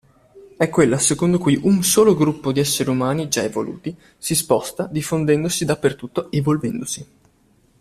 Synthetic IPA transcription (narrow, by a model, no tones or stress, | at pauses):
ɛkːwelːasekond̪okujʔunsoːloɡɾupːod̪iɛsːeɾiumaːnid͡ʒaevolʔṵːt̪i | sispɔst̪ad̪ifːond̪ɛnd̪osid̪apːert̪ut̪ːoevolvɛnd̪osi